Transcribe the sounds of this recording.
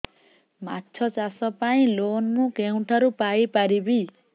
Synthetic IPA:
matːt͡ʃʰɔt͡ʃasɔpaĩlonmũkeũʈʰaɾupajpaɾibi

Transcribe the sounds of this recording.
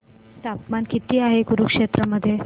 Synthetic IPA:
t̪apmankit̪iːaɦekuɾukʂet̪ɾəməd̪ʱːje

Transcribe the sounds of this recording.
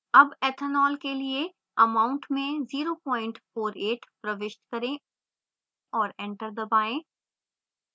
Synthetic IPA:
ɐbɛːt̪ʰənɔːlkelie | ɐmaːʊ̃ɳʈmẽziːɾopɔːɪ̃ɳʈfoːɾeːʈʰpɾɐʋɪʃt̪kɐɾẽ | ɔːɾɛ̃ːɳʈəɾd̪ɐbaːẽː

